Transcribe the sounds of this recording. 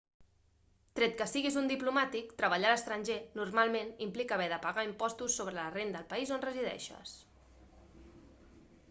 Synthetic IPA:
t̪ɾet̪̚kəsiɣizund̪iplumat̪ikt̪ɾəβ̞aʎaləst̪ɾənʲʒenurmalˠmenimplikəːβɛðəpaɣaimpɔst̪usːoβɾələrend̪ːlˠpəizonrəziðɛ̰ʃə̰s

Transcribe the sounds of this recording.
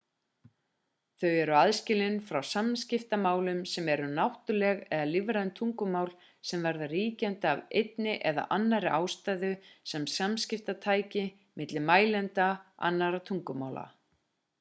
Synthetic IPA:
θœɥɛɾʏaðscɪlɪnfɾawsamscɪft̪amaːwlʏmsɛmɛɾʏnawht̪ʏlɛɣɛðalɪvɾant̪ʰuŋkʏmaːwl | sɛmvaɾðariːcɛnt̪avejt̪nɪʔɛða̰ʔanːaɾɪʔaːwst̪aːjðʏsɛmsamscɪft̪at̪ʰaːjcɪ | mɪt̪lɪmaːjlɛnt̪aa̰nːaɾat̪ʰuŋkʏma̰ːwla̰

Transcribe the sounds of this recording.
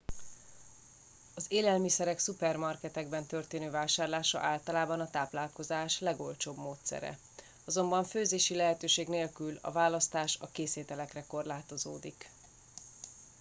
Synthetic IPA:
ɒzeːlɛlmisɛɾɛksupɛrmɒrkɛt̪ɛɡbɛnt̪ørt̪eːnøːvaːʃaːrlaːʃɒ̰ʔaːlt̪ɒlaːbɒnɒt̪aːplaːlko̞zaːʃlɛɡo̞lt͡ʃoːbmoːt̪sɛ̰ɾɛ̰ | ɒzo̞mbɒɱføːzeːʃilɛɦɛt̪øːʃeːɡneːlkylɒ̰vaːlɒst̪aːʃɒ̰keːseːt̪ɛlɛkrɛko̞rlaːt̪o̞zo̰ːd̪ik

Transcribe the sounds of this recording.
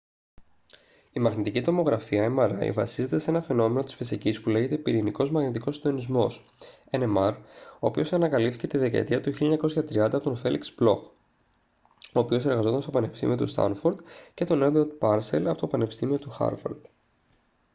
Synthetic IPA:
imɐɣnit̪icit̪omo̞ɣɾɐfiɐemɐɾɐ̰ḭvɐsize̞t̪e̞see̞nɐfe̞no̞me̞no̞t̪isfisicispule̞ʝe̞t̪e̞piɾiniko̞zmɐɣnit̪ikosind̪o̞nizmo̞s | enemɐɾo̞ːpio̞sɐnɐkɐlipfθice̞t̪iðe̞kɐ̰ḛt̪iɐt̪uçiliɐɲɐko̞sçɐt̪ɾiɐnd̪ɐpo̞t̪onfe̞lḭksblo̞̰x | o̞ːpio̞se̞ɾɣɐzo̞t̪ɐnst̪opɐne̞pi̥st̪ḭmio̞t̪ust̪ɐ̰nfoɾd̪ce̞t̪o̞ned̪od̪pɐɾse̞lɐpo̞t̪opɐne̞pi̥st̪imio̞t̪uxɐ̰ɾvɐ̰ɾd̪̥

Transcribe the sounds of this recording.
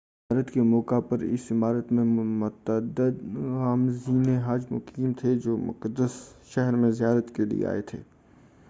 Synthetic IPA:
aːɾət̪kemɔːkapɐɾɪ̰sɪmaːɾət̪mẽmʊt̪əd̪əd̪ɣaːmziːneɦaːd͡ʒmʊ̰qiːmt̪ʰed͡ʒoːmʊ̰qəd̪ːəsʃɛɦɾmẽzijaːɾət̪kelḭḛa̰ːet̪ʰḛː

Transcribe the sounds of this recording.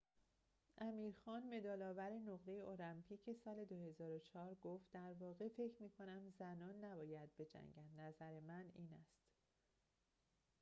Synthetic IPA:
ʔæmiːɾxɒːnme̞d̪ɒːlɒːvæɾe̞noɣd̪ejeo̞læmpʰiːcʰe̞sɒːle̞d̪ohe̞zɒːɾot͡ʃʰɒːɾɡoft̪d̪æɾvɒːɣefe̞cʰɾmiːkʰo̞næmzænɒːnːæbɒːjæd̪̚be̞d͡ʒæ̰ŋɟænd̪næzæɾe̞mæniːnæst̪

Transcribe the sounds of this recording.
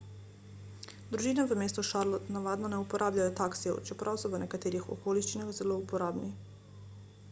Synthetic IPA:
d̪ɾuʒiːnaʋəmeːst̪ɔʃaɾlɔt̪naʋaːd̪nɔnɛupɔɾʔaːblʲjajɔt̪aːksɛ̰wt͡ʃɛpɾʔawsɔʋənɛkat̪eːɾixɔ̰koːliʃt͡ʃinaɣzɛloupɔɾaːbni

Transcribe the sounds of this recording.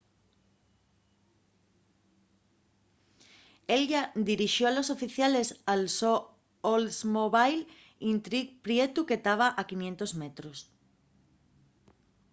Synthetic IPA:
elʝad̪iɾiʃjoalo̞sofiθjale̞salso | olsmoβajl | int̪ɾikpɾjet̪uket̪aβ̞aʔakinjẽnt̪ozmet̪ɾos

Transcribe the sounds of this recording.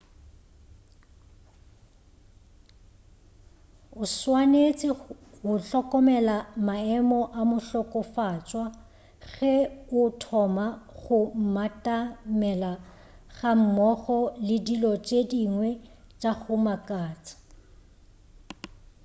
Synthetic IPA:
ʊswanet͡sʼɪhʊɬɔkʼɔmɛlamaɛmɔʔamʊɬɔkʼɔfat͡ʃʼwa | ɣɛʊtʰɔmaɣʊm̩matʼamɛla | ɣam̩mɔɣɔlɪdilɔt͡ʃʼediŋwɛt͡ʃʼaɣʊmakʼaːt͡sʼḁ

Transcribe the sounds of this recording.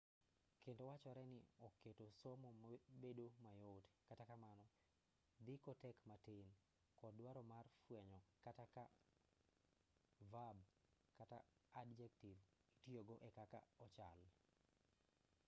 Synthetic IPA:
kentowat͡ʃɔɾɛnɪɔketosomobedomajotkatakamanɔ | d̪ɪkotɛkmaten | kɔdwaɾɔmarfwɛɲɔkataka | vabkata̰ːdd͡ʒɛktivitioɡoʔɛkaka̰ɔt͡ʃa̰l

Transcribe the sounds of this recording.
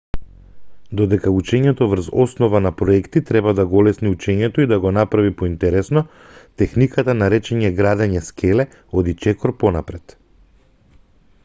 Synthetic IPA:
d̪ɔd̪ɛkaut͡ʃɛɲɛt̪ɔvr̩ɾzɔsnɔvanapɾɔɛkt̪it̪ɾɛbad̪aɡɔlɛsniut͡ʃɛɲɛt̪ɔid̪aɡɔnapɾavipɔint̪ɛɾɛsnɔ | t̪ɛxnikat̪anaɾɛt͡ʃɛɲɛɡɾad̪ɛɲɛskʰɛlɛ | od̪it͡ʃɛkɔɾpɔnapɾɛt̪

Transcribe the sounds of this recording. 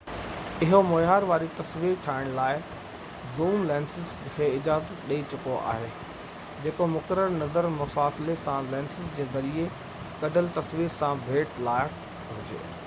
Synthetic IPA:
ɪɦomoːjaːɾʋaːɾit̪ɐsʋiːɾʈʰaːɪɽ̃laːɪ | zuːmlɛ̃ːnsɪz | kʰeːɪd͡ʑaːzət̪ɗeit͡ɕʊkoa̰ːɦeː | d͡ʑeːkomʊkəɾəɾnɐzəɾmʊfaːsɪlesãlɛ̃ːnsɪzd͡ʑeːzɐɾie | kɐɖʱəlt̪ɐsʋiːɾsãbʱeːʈlaːɪək | ɦʊd͡ʑḛː

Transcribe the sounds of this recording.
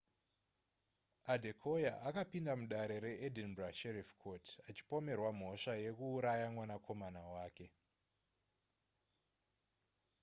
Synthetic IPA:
adʱe̞kʰo̞jaʔakapindamuɗaɾe̞ɾe̞edinbraʃerifkʰotʰat͡ʃi̥po̞me̞rwam̤o̞ʂaje̞kuːɾajamwanakʰo̞manawaːke̞

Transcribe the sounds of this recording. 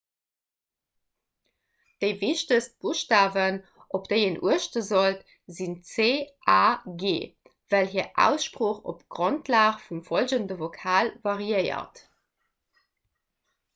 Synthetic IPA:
d̥əɪviʃtəst̚b̥uʃtaːvən | ʔopd̥əɪənʔuəʃtəzolt | zint͡seːʔaːɡeː | v̥ælɦiːɐʔæ̰ʊsʃpʁoːχo̰pɡ̥ʁontʰlaːχfumfolʑəndəvokʰaːlvɑʁiəɪɐ̰t

